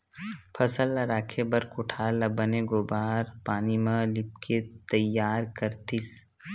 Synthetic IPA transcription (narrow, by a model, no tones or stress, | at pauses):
pʰɐsəlːaɾaːkʰebɐɾkʊʈʰaːɾlɐbəneɡoːbaːɾpaːnimãlɪp̚ket̪ɐjːaːɾkɐɾt̪ɪs